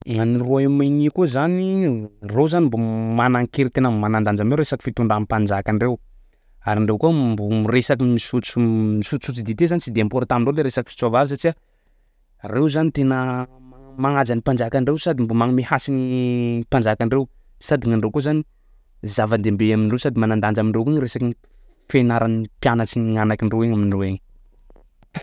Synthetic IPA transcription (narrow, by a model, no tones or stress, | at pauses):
ŋaniruaimanikuzanirozanimbomanaŋkeɾit̪enəmanand̪and͡ʒameɾesaki̥fit̪uɳɖ͡ʐamipand͡ʒakaɳɖ͡ʐew | aɾiɳɖ͡ʐewkombomiresakimisut͡simisut͡ssut͡sid̪it̪ezanit͡sid̪eampoɾat̪amiɳɖ͡ʐoleɾesaki̥fi̥t͡sovavisaʈ͡ʂia | rewzanit̪enə | maŋad͡zanipand͡ʒakaɳɖ͡ʐewsad̪imbumaŋumehasinipand͡ʒakaɳɖ͡ʐew | sad̪iŋaɳɖ͡ʐewkozani | zavand̪embeaminirewsad̪imanand̪and͡ʒamiɳrewkunɾesakii | fenaɾanipjanət͡siɲɲanakiɳɖ͡ʐeweɲaminiroeɲ